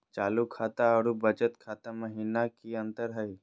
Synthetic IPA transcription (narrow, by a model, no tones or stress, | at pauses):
t͡ʃaːlukʰaːt̪aɔɾubəd͡ʒət̪kʰaːt̪aməɦiːnakiɐ̃nt̪əɾɦəi